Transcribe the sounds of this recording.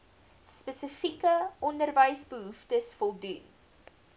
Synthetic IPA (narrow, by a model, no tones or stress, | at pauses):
spəsəfikəɔndərvəjsbəɦuftəsfɔlˠdun